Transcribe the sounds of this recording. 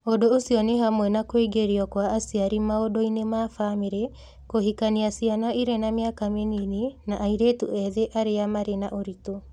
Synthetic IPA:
odoːsiɔneɦamwɛnakweɡeɾiɔkwaːsiaɾimaodoinemafameɾe | kohikaniasianɔiɾenamjakamenininaʔaiɾetṵʔɛðeʔaɾeamaɾenaʔoɾito

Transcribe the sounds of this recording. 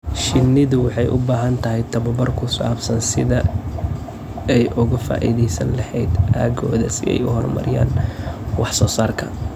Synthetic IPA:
ʃɪnːɪðʊwɑħɑjʔʊ̰baːɦɐnt̪ʰɐɦɛjt̪ʰɐβɐbɐrkʰʊsaːbsɐnsɪðɐ | ɛjʔʊɣɐfa̰ːʔḭðɛjsɐ̰nlɐħɛːd̪ʔaːɡɔ̰ːðɐsɪɛ̰jʊɦɔrmɐ̰ɾɪja̰ːnwɑħsɔːsaːrkʰɐ

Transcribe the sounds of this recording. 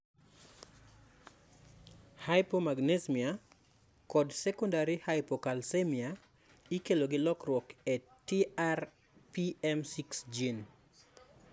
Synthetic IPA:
hajpomaɡnesmia | kɔdsekɔndaɾihajpokalsemia | ikeloɡɪlɔkrwɔke | tiar | piɛmsiksd͡ʒin

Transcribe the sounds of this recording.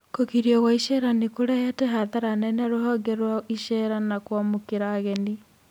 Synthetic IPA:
kokiɾijɔɣwaiʃɛɾanikoɾɛɛtɛɦaðaɾanɛnaɾoɦɔɡɛɾwaiʃɛɾanakwamokeɾaːɣɛni

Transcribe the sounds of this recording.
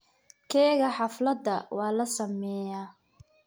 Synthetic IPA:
kʰɛːɣɐħɑflɐd̪ːɐwɑːlɐsɐmɛːjaː

